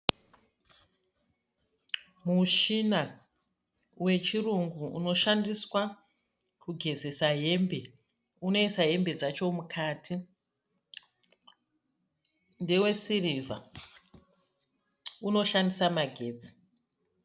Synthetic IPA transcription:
muʃina | we̞t͡ʃiruŋɡuṵno̞ʃandiswa | kuɡʱe̞ze̞saɦe̞mbe̞ | uno̞isaɦe̞mbe̞d͡zat͡ʃo̞mukʰaːtʰi | nde̞we̞sirivʱa̰ | uno̞ʃandisamaɡʱe̞ːd͡zi̥

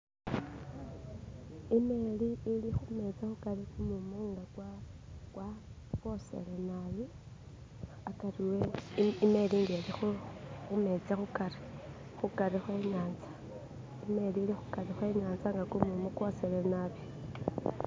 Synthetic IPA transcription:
imeliːlixume̞t͡saxukarikumumoŋɡakwakwa | ko̞se̞̰lenaβi | akariweime̞liŋɡelixuxume̞t͡saxukaɾi̥ | xukaɾixwe̞ːɲaːnzḁ | ime̞liːlixukarixwe̞ɲaːnzaŋɡakumumokwoselenaβjo

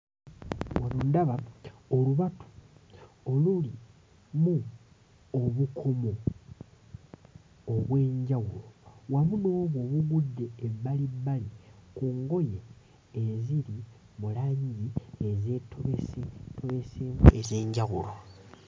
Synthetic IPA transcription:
wanundaβaoluβatu̥ | oluli | mu | oβukʰo̞mo̞ | βwe̞ːɲɟaɣulowamuno̞ːβwo̞ːβuɡudːe̞ːalibalikuŋɡo̞jeː | ziɾi | mulaːɲɟiezetʰoβesetoβeseezeːɲɟaɣṵlo

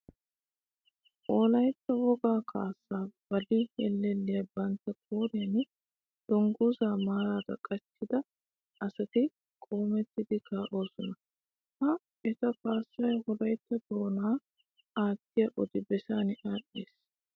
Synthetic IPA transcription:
ʔoːlɐjt̪ːɐwɔɡaːkʰa̰ːsːaːb̥ɐlɪhɛlːɛlːɪjɐbɐnt̪ːɐkʼoːɾɪjɐn | d̪̥ɔŋɡuːzaːmaːɾaːd̪ɐkʼɐt͡ʃːɪd̪ɐ | ʔɐsɐt̪ɪ | kʼo̞ːmɛt̪ːɪd̪ɪkaːʔo̞ːsɔnɐ | hɐ | ɛt̪ɐkaːsːɐjhɔlɐjt̪ːɐd̪o̞ːnaː | aːt̪ːɪjɐʔɔd̪ɪbɛsaːnɪʔaːɗːeːs

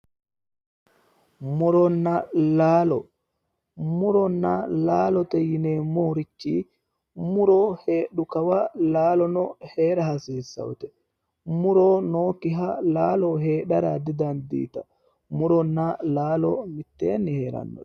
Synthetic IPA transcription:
muɾɔnːalaːlɔ̰ | muɾɔnːa̰laːlɔt̪ejinɛmoːɾit͡ʃːi | muɾɔheːɗukawalaːlɔnɔhɛːɾahasiːsa̰wt̪ɛ | muɾɔnoːkiɦalaːlɔɦɛːɗaɾad̪id̪and̪ḭːt̪a̰ | muɾɔnːalaːlɔmit̪ːḛːnːihɛɾa̰nːɔ̰

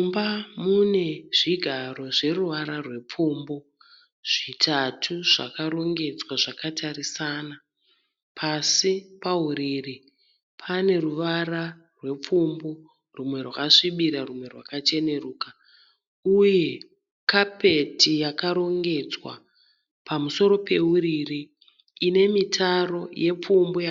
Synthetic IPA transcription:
umbamune̞ʐiɡʱaɾo̞ʐe̞ruʋaɾarwe̞p͡fuːmbo̞ | ʐ̥itʰatʰuʐa̰kaɾo̞ŋɡe̞d͡zwaʐakatarisana | pʰasipauɾiri | pʰane̞ruʋaɾa | rwe̞p͡fumbo | rumwe̞rwakaʂiɓiɾarumwe̞rwakat͡ʃe̞ne̞ruːka | uje̞ | kape̞tijakaɾo̞ŋɡe̞d͡zwa̰ | pʰamuso̞ɾo̞pe̞uririː | ne̞mitʰaro̞je̞p͡fumboja

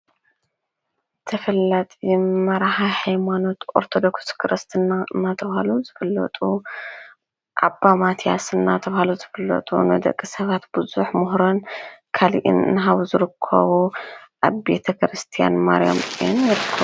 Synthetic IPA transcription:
t̪ʰɐfɐlːat̪ʼijmːɐɾaħaħajmano̞t̪ʔoɾt̪ʰo̞d̪o̞kskʰɨɾɨst̪ʰɨnaɨnːat̪ʰɐβhaluzɨfɨlːɐ̰t̪ʼu | ʔa̰bːamat̪ʰja̰sɨnːat̪ʰɐβahaluzɨfɨlːɐ̰t̪ʼṵnɐ̰d̪ɐ̰kʼːisɐβat̪bɨzuħmʊɦɾonkʰalḭʔɨ̰nɨ̰nɦaβuzɨɾɨkʰːɐ̰βuʔaβbet̪ʰɐkɾɨst̪ʰija̰nma̰ɾja̰mɪnjɪɾɨkʰːɐβu

